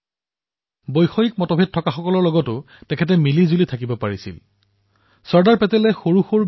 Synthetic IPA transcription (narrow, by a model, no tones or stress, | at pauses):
bojxojik̚mɔtɔbʱed̚tʰɔkaxɔkɔlɔɹlɔɡɔtʊ | tɛkʰɛt̬ɛmilizulitʰakibɔpaɹisḭl | sɔɹdaɹpɛtɛlɛxoɹuxuɹ